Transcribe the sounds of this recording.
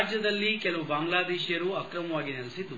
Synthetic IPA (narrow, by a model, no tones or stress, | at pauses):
d͡ʒjɐd̪ɐlːikɛlɐʋubaːŋɡlaːd̪ɛːʃjɐɾuɐkɾɐmɐʋaːɡinilsid̪ːu